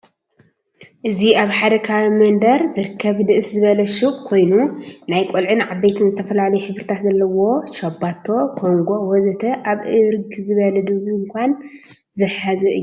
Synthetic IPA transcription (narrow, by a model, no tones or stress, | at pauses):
ʔɨziaβħad̪ɐkʰawimɐnd̪ɐɾzɨɾɨkʰːɐβd̪ɨʔɨszɨβɐlɐʃuʔkʰo̞jnunajkʼolʕɨnʕabːejt̪ʰɨnzɨt̪ʰɐfɐlalɐjuħɨβɾɨt̪ʰat̪zɐlːɐwo̞ʃɐbat̪ʰːo̞kʰo̞ŋɡo̞wɔzɐt̪ʰɐʔaβʔɨɾɡzɨβɐlɐd̪ɨβujŋkʷʰan | zɨħazɨɨ̰jːu